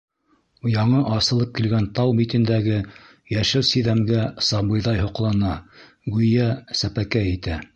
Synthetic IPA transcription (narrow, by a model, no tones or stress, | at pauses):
jɑɴɤʔɑsɤ̆lˠɤp̚kilɡænt̪ɑwmit̪ɘ̆nd̪æɡɘ | jæʃɘwsiðæmɡæsɑbɤ̆jðɑjhŏqlˠɑnɑ | ɡʉjæsæpækæit̪æ